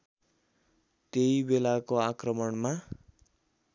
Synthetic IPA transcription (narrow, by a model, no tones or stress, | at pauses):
t̪eibelakoakrʌmʌɳma